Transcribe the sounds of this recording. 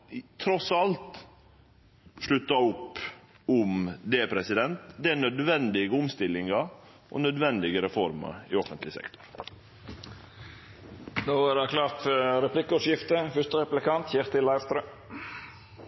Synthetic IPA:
t̪ʰɾɔsɑlt̪ | ʂɭʉt̪ːɑʊpː | ʊmd̪ɛpʰɾɛsɪd̪ɛnt̪d̪ɛænœd̪ʋɛnd̪ɪɡəʊmst̪ɪlːɪŋɑɾʔɔ̰nœd̪ʋɛnd̪ɪɡəɾɛfɔɾmɑ̰ɾɪ̰ɔfənt̪lɪsɛ̰kt̪ʊ̥ɾ | noːʋɑɾɑkʰlɑːɾt̪fɾɛpʰlɪkːɔʂjɪft̪əfʏt̪əɾɛplɪkɑnt̪çɛɾt̪ɪlɑɪʋst̪ɾœ

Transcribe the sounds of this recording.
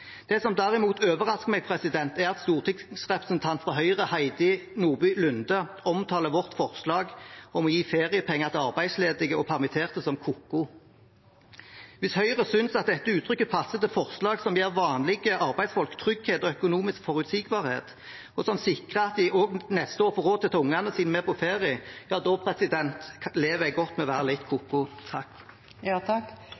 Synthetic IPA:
d̪̥ɛsɔmd̪æʁɪmuːt̪ʰøːʋəʁɑskəmɛɡ̚pʰʁɛsɪd̪ɛnt̪æʁɑt̪st̪uːʁt̪ʰɪŋsʁɛpʁəsnt̪ʰɑnt̪fʁɔɦœʏʁəhæɪd̪ɪnuːʁbyːlʉnd̪ə | ɔmt̪ʰɑːləʋɔʁt̪fɔʁslɑːɡɔmɔjiːfeːʁɪəpʰɛŋːɑʁt̪ʰɪlɑʁbæɪsleːd̪ɪɡəɔpʰæʁmɪt̪ʰeːʁt̪əsɔmkʰukːʊ | ʋɪshœʏʁəsʏnsɑt̪̚d̪ɛt̪ːəʉːt̪ʰɾʏkːəpʰɑsːət̪əfɔʁslɑːɡsɔmjeːʁʋɑːnlɪɡəʔɑʁbæɪd̪sfɔlkt̪ʰʁʏɡheːt̪ɔœkʊnuːmɪskfɔʁʉt̪siːɡbɑːʁhḛːt̪ | ɔsɔmsɪkʁəɑt̪̚d̪ɪoɡnɛst̪əoːɾfɔʁoːt̪ʰɪlt̪ʰʊŋːɑnəsiːnmeːpʰɔfeːʁɪəj̥ɑːd̪opʰɾɛsɪd̪ɛnt̪leːʋæɪɡɔt̪ːmɛɔʋæːɾəlɪt̪kʰukːʊt̪ʰɑk̪ː

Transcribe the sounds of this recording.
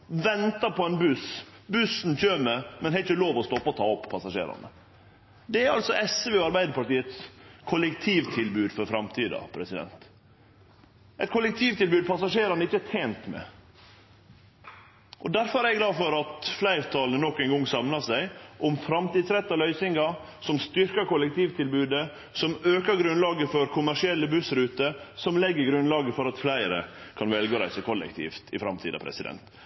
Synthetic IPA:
ʋɛnt̪ɑpʰɔɛnbʉs | bʉsnc͡çøːməmɛnhɛɪt͡ʃəloːʋɔst̪ɔpːɑɔt̪ʰɑːɔpʰːɑsɑʂḛːɾɑ̰nə̰ | d̪ɛæɾɑlsɔʔɛsʋeːɑɾbæɪd̪əɾpɑʈiːət̪skʰʊlɛkt̪ʰiːʋt̪ʰɪlbʉːd̪fɔɾfɾɑmt̪ʰiːd̪ɑ̰pʰɾɛsɪd̪ɛ̰nt̪ | ʔɛɪt̪kʰʊlɛk̚t̪ʰiːʋt̪ʰɪlbʉːd̪̚pʰɑsɑʂeːɾɑnəɪçːəæt̪ʰeːnt̪mɛ̰ | ʔɔd̪æɾfɔɾæɾɛɡlɑːd̪fɔɾɑt̪flæɪɾt̪ʰɑːlnənɔkːæɪnɡɔŋsɑmnɑsæɪʔɔmfɾɑmt̪iːd̪sɾɛt̪ːɑlœʏsɪŋɡɑ | sɔmst̪ʏɾkɑkʊlɛk̚t̪ʰiːʋt̪ʰɪlbʉːd̪ə | sɔmøːkəɾɡɾʉnlɑːɡəfɔɾkʰʊmæʂɪɛlːəbʉsɾʉːt̪əsɔmlɛɡːəɾɡɾʉnlɑːɡəfɔɾɑt̪flæɪɾə̰kʰɑnʋɛlɡoːɾæ̰ɪsəkʰɔlɛ̰kt̪ʰḭːft̪ɪfɾɑmt̪ʰiːd̪ɑ̰pʰɾɛ̰sɪd̪ɛ̰nt̪

